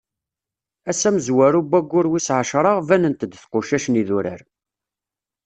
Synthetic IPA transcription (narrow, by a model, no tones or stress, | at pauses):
æsæməzwæɾubːæɡʷːʊɾwisʕəʃɾˤɑʁvænənt̪əd̪θqʊʃæʃniðuɾə̰ɾ